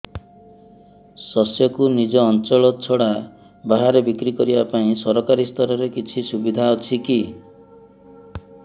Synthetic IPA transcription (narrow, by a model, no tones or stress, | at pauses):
sɔsjɔkunid͡ʒɔːnt͡ʃɔɭɔt͡ʃʰɔɽa | baɦaɾebikɾikɔɾibapaĩsɔɾɔkaɾist̪ʰɔɾɔɾekit͡ʃʰisubid̪ʱaot͡ʃʰiki